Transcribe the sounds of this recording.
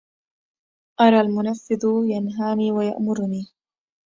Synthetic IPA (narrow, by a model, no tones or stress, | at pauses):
ʔɑɾˤɑːlmʊnafːɪðʊjanɦaːniːwaja̰ʔmʊɾniː